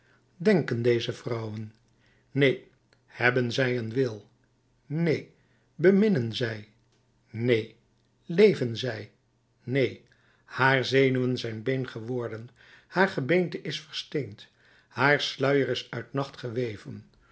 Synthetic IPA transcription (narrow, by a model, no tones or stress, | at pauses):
dɛŋkəndejzəvrɑwən | nej | hɛbənzɛjənʋɪlˠ | nej | bəmɪnənzɛj | nej | lejvənzɛj | nej | haːɹzejnyənzɛjnbejnχəʋɔɹdən | haːɹχəbejntəʔɪsfəɹstejnt | haːɹslœɥəɾɪsœɥtnɑχtχəʋejvən